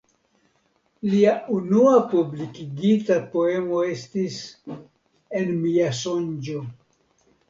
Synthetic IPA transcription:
liaʔunuapublikiɡitapo̞e̞mo̞e̞stis | e̞nmiaso̞nd͡ʒo̞

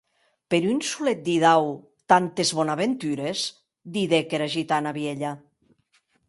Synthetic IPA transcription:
peɾynsulet̪̚d̪iðaw | t̪ant̪ezβɔnaβent̪yɾez | d̪iðekeɾaʒit̪anaβjeʎa

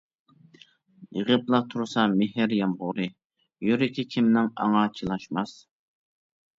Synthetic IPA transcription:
əʁəplˠɑq̚t̪ʰuɾsɑmeɦɪɾjɑmʁʊɾɨ | jøɾɪkʲʰikʲʰimnɪŋɑ̰ŋɑt͡ʃʰilˠɑʃmɑs

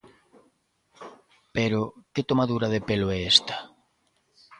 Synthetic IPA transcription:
peɾoket̪omaðuɾaðepeloɛest̪ḁ

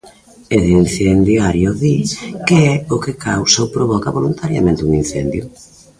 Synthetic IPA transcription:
eðinθend̪jaɾjʊðikeɛʊkɪkʰawsawpɾoβɔkaβolunt̪aɾja̰mẽnt̪ɪuŋin̟θɛnd̪jʊ

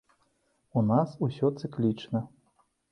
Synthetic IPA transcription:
unasusʲɔt̪sɨklʲit͡ʂnɐ

